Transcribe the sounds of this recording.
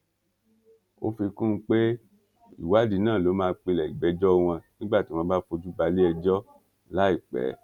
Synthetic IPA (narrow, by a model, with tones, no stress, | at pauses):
o̰˦fi˧kũ˦˧k͡pe˦ | ḭ˦˨wa˦di˧nãː˦˨lo˨˦mãː˧k͡pe˧lɛ˨i˨ɡ͡bɛ˨˦d͡ʒɔ˦˧w̃ɔ̃˧nĩ˦ɡ͡ba˦˨ti˨˦w̃ɔ̃ː˧˦ba˦fo˧d͡ʒu˦ba˧li˦ɛ˧d͡ʒɔ˦ | la˨˦i˦˨k͡pɛ̰˨˦